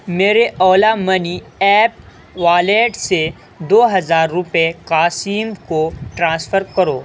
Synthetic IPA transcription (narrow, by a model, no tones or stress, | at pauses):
meːɾeʔɔːlamɐniɛːp̚ | ʋaːleːʈse | d̪oːɦɐzaːɾːʊpekaːsiːmkoʈɾãːsfəɾkɐɾoː